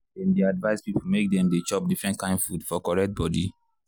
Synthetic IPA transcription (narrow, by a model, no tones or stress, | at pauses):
ɛ̃ndeadvaɪspipolmek̚dɛ̃mdet͡ʃɔp̚difɹɛ̃ntkãɪ̃ndfudfɔkɔɹɛk̚t̚bɔdi